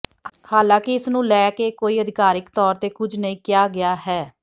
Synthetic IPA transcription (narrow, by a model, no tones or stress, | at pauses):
haːlãːkɪɪsnũːlɛːkeːkoːiːəd̪ɪkaːɾɪkt̪ɔːɾt̪eːkʊd͡ʒʱnəĩːkɪjaːɡɪaːɦɛː